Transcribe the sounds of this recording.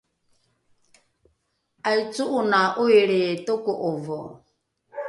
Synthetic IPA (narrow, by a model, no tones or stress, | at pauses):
ait͡suʔunaʔueɺejetɔkɔʔɔvɔ